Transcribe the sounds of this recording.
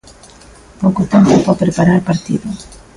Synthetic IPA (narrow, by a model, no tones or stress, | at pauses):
powkot̪empʊpɔpɾepaɾaɾpaɾt̪ḭðʊ